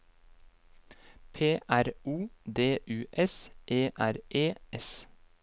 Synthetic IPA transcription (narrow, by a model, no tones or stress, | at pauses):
pʰeːʔæɾuːd̪eːʔʉːʔɛsʔeːʔæɾʔeːʔɛs